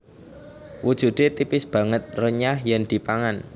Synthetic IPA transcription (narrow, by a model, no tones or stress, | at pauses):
wud̥ʒ̥ṳd̪̥et̪ipɪsb̥ä̤ŋət̪̚rəɲahjɛnd̪̥i̤paŋan